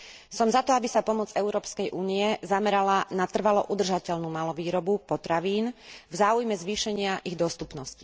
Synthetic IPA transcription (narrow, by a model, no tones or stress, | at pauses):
sɔmzat̪ɔabisapɔmɔd͡zɛʊɾɔːpskɛjʔuːniɛzamɛɾalanat̪r̩ʋalɔʔud̪r̩ʒacɛʎnuːmalɔʋiːɾɔbupɔt̪ɾaʋiːnvzaːujmɛzʋiːʃɛɲɪaʔiɣd̪ɔst̪upnɔsci̥